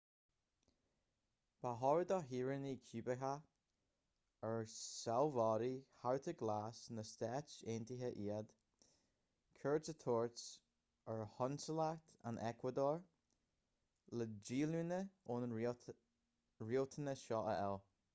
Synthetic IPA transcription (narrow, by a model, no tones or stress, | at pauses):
b̥aɦɔɹəd̪ɔɦiːɹənikʰjuːbəɦa | əɹsalvɑːɾihaɹt̪ʰəɡlaːsnəst̪ɛːt͡ʃeːntiɦəʔiːəd̪̥ | kʰɜɹsət̪ʰoːɹts | əɹhɔnsəlakt̪a̰nʔɛkʰwəd̪oːɹ | ləd͡ʒiːlunəon | ɹilt̪ʰənəʃɔʔə̰ɛl